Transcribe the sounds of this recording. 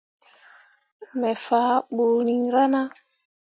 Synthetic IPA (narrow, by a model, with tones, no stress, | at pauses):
mɛ˨fa˨˦ɓo˨ni˨ŋ˨ɾa˦na˦